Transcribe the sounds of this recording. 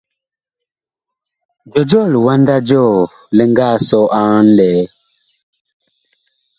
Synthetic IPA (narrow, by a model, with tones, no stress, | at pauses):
d͡ʒɔ˨d͡ʒɔ˦˨lwa˦nda˦d͡ʒɔ˦˨ | lə˦ŋɡa˦˨sɔ˦ʔã˦n˦lɛ˨˦